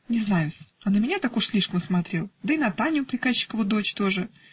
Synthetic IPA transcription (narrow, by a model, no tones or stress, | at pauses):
nʲɪznajʊsʲɐnəmʲɪnʲat̪akʊʂsʲlʲiʂkəmsmɐt̪ɾʲe̞lˠd̪əinɐt̪anʲʊpɾʲɪkaɕːɪ̥kəvɨd̪o̞t͡ɕt̪o̞ʐɨ